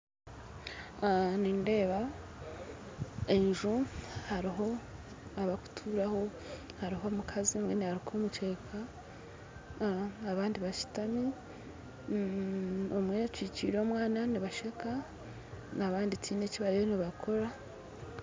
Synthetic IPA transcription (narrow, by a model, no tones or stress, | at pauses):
niːnde̞ːβa | eʒuhaɾiɦo̞ | aβaku̥tʰuːɾaho̞ | haɾiɦo̞mukʰazimwenehaɾikʰomut͡ʃe̞kʰa | aβaːndiβat͡ʃi̥tami | omwet͡ʃiːciːɾo̞ːmwaːnaniβaʃeka | naβaːnditʰiːne̞ciβaɾijoniβakʰo̞ɾa